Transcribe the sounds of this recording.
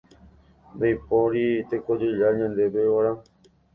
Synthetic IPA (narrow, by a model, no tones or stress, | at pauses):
nd̪ajpoɾit̪ekod͡ʒeɾaɲãnd̪ebeaɾã